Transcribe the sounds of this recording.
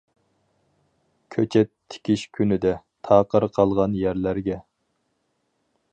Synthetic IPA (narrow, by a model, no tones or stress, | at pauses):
kʲʰøt͡ʃʰɛt̪ʰːɪ̥kʲiʃkʲʰynɪd̪ɛ | t̪ʰɑːqəɾqʰɑlˠʁɑnjæɾlæɾɡʲɛ